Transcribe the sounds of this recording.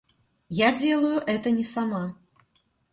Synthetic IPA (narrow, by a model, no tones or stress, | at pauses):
jad͡zʲɛlˠɐjuʔɛt̪ɐnʲɛsama